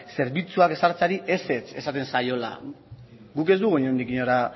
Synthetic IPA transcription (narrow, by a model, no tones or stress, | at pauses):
se̞ɾβit͡suake̞saɾt͡saɾiʔe̞se̞t͡se̞sat̪e̞nsajo̞la̰ | ɡuke̞zd̪uɣoɲond̪ikiɲoɾa